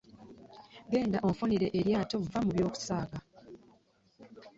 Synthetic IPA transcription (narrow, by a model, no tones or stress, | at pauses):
ɡe̞ːndaʔo̞foniɾe̞ʔeɾjaːto̞vːamuβjo̞ːku̥saːɡa